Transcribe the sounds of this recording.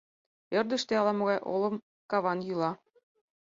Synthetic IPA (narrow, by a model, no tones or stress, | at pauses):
ɘ̆rd̪ə̆ʃt̪ĕɑlˠɑmɤ̆ɣɑjʔo̰lˠɤ̆m | kɑβɑnjylˠɑ